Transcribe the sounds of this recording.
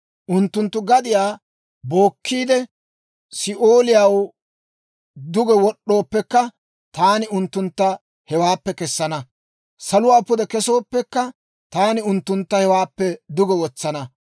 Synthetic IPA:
ʔʊnt̪ːʊnt̪ːʊɡɐd̪ɪjaː | bo̞ːkːiːd̪ɛ | sɪʔoːlɪjaw | d̪ʊɡɛwɔɗːo̞ːpːɛkːɐ | t̪aːnɪʊnt̪ːʊnt̪ːɐ | hɛwaːpːɛkɛsːɐnɐ | sɐlʊwaːpʊd̪ɛkɛso̞ːpːɛkːɐ | t̪aːnɪʊnt̪ːʊnt̪ːɐhɛwaːpːɛd̪ʊɡɛwɔt͡sːɐnɐ

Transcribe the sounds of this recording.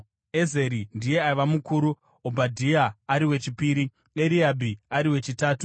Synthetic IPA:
e̞ze̞ɾindije̞aiʋamukuɾu | obʱadʱiaːɾiwe̞t͡ʃipiːɾi | eɾiabʱiaɾiwe̞t͡ʃitaːtu

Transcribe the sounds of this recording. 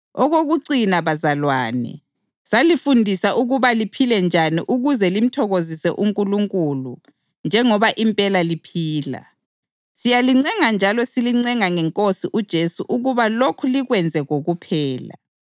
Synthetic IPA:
ɔɣoɣuǀinaβazalwa̰ːnɛ̰ | salifundʱisaʔuɣuβalipʰilɛnd͡ʒʱaniʔuɣuzɛlim̩tʰɔɣozisɛʔuŋkʼuluŋkʼulu | nd͡ʒʱɛŋɔβaʔimpʼɛlalipʰiːla̰ | sijaliŋ͡ǀɛŋand͡ʒʱalɔsiliŋ͡ǀɛŋaŋɛŋkʼosiʔud̥ʒ̥ʱesuʔuɣuβalokʰuliɣwɛnd͡zʱɛɣoɣupʰɛːla̰

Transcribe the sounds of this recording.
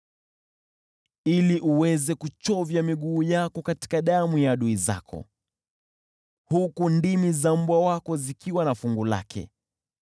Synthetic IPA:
iliʔuwɛzɛkut͡ʃɔvjamiɠuːjakɔkati̥kaɗamujaɗuiza̰kʰɔ̰ | hukundimizam̩bwawakɔzikiwanafuŋɡula̰kʰɛ̰

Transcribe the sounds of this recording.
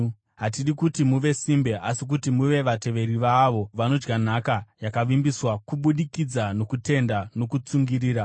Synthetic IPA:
ɦatiɗikutimuʋe̞simbe̞ʔasik̬utimuʋe̞ʋate̞ʋe̞ɾiʋaʋo̞ʋano̞d͡ʒɡan̤akajakaʋimbiswakuɓuɗikid͡zano̞kute̞ndano̞kut͡suŋɡiɾiːɾa

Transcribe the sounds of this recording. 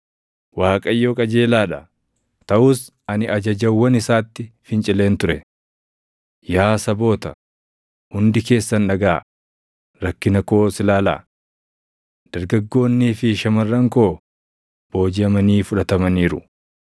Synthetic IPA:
waːkʼɐjːo̞ːkʼɐd͡ʒe̞ːlaːᶑɐ | t̪ɐʔʊs | ɐnɪɐd͡ʒɐd͡ʒɐwːɐnɪsaːt̪ːɪfɪnt͡ʃʼɪle̞ːnt̪ʊɾɛ | jaːsɐbo̞ːt̪ɐ | hʊnd̪ɪke̞ːsːɐnᶑɐɡaː | ɾɐkːɪnɐko̞ːsɪlaːla̰ː | d̪̥ɐɾɡɐɡːo̞ːnːiːfɪʃɐmɐrːɐŋko̞ː | b̥o̞ːd͡ʒɪɐmɐniːfʊᶑɐt̪ɐmɐniːɾʊ

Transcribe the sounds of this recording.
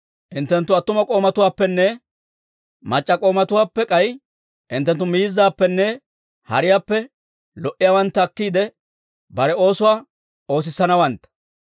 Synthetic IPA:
ʔɪnt̪ːɛnt̪ːʊɐt̪ːʊmɐkʼo̞ːmɐt̪ʊwaːpːɛnːɛ | mɐt͡ʃʼːɐkʼo̞ːmɐt̪ʊwaːpːɛkʼɐj | ʔɪnt̪ːɛnt̪ːʊmiːzːaːpːɛnːɛ | hɐ̰ɾɪjaːpːɛ | lɔʔɪjaːwɐnt̪ːɐːkːiːd̪ɛ | bɐɾɛo̞ːsʊwaː | o̞ːs̬ɪsːɐnɐwɐnt̪ːɐ̥

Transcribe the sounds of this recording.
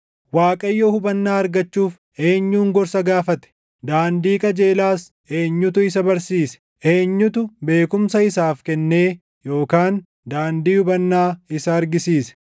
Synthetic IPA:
waːkʼɐjːoːhʊbɐnːaːɐɾɡɐt͡ʃːuːf | e̞ːɲːuːŋɡɔɾsɐɡaːfɐt̪ɛ̥ | d̪aːnd̪iːkʼɐd͡ʒe̞ːlaːs | ʔeːɲːʊt̪ʊɪs̬ɐbɐɾsiːsɛ̥ | ʔeːɲːʊt̪ʊbe̞ːkʊmsɐɪsaːfkɛnːe̞ː | jo̞ːkaːn | d̪aːnd̪iːhʊbɐnːaːɪsɐːɾɡɪsiːsɛ̥

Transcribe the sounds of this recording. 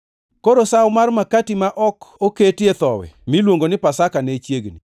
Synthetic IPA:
koɾosawmarmakatimaʔɔkoketjet̪ɔwɛ̰milwoŋɡonɪpasakanɛt͡ʃjeɡni

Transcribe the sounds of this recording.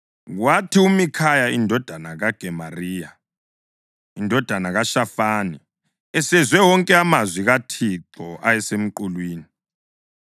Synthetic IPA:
ɣwatʰiumikʰajaindʱɔd̥ʱanaɣaɡ̥ʱɛmariːja | indʱɔd̥ʱanaɣaʃafaːni | ɛsɛzwɛwɔŋkʼɛamazwiɣatʰiǁɔʔajɛsem̩ǃulwiːni

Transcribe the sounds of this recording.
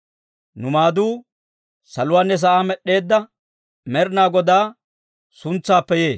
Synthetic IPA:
nʊmaːd̪uː | sɐlʊwaːnːɛs̬ɐʔaːmɛɗːe̞ːd̪ːɐ | mɛɾnaːɡɔd̪aː | sʊnt͡sːaːpːɛje̞ː

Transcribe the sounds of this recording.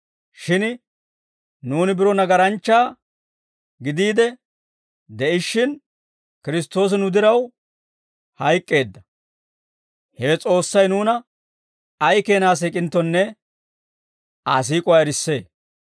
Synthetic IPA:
ʃɪn | nuːnɪbɪɾɔnɐɡɐɾɐnt͡ʃːaː | ɡɪd̪iːd̪ɛ | d̪ɛʔɪʃːɪn | kɪɾɪst̪ːo̞ːs̬ɪnʊd̪ɪɾɐw | hɐjkʼːe̞ːd̪ːɐ | hɛɛt͡sʼo̞ːsːɐjnuːnɐ | ɐjke̞ːnaːs̬iːkʼɪnt̪ːɔnːɛ | aːs̬iːkʼɔaːɛɾɪsːe̞ː

